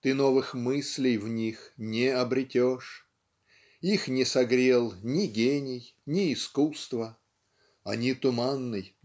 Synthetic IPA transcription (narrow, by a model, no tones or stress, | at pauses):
t̪ɨno̞vɨxmɨsʲlʲɪjvnʲixnʲɪɐbɾʲɪtʲoʂ | ixnʲɪsɐɡɾʲe̞lˠnʲɪɡʲenʲɪjnʲɪːskust̪və | ɐ̰nʲit̪ʊmanːɨj